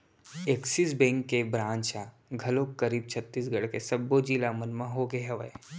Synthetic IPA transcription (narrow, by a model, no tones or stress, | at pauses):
eksisbẽŋkːebɾãːnt͡ʃa | ɡʱɐlokkːɐɾiːb̚t͡ʃʰət̪ːiːs̬ɡɐɽkesɐbːod͡ʒiːlamənmãɦoːɡeɦɐʋə̰e